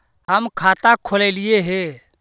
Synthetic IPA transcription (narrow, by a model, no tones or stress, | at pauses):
ɦəmkʰat̪akʰolɛlieɦe